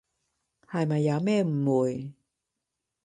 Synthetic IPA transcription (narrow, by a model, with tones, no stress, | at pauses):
ha˨˩jma˨jːaː˨˧˥mɛː˥˧˨m̩˨˩wu˨˩j